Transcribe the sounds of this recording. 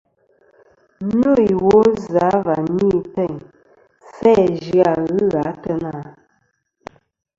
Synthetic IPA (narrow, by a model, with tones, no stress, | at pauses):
no˦˨i˨wo˦za˨˦va˨ni˦˨tɛ˦˨ŋ | sɛ˦d͡ʒɰa˨ɣɨ˦ɣa˨˦tə˦na˦˨